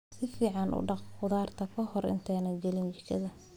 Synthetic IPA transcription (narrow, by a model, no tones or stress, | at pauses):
sɪfiːʕɑnʔʊ̰ɖɑqqʊðaːrt̪ʰɐkʰɐhɔrɪ̰nt̪ʰɛːnɐd͡ʒɛlɪnt͡ʃɪt͡ʃʰɐðɐ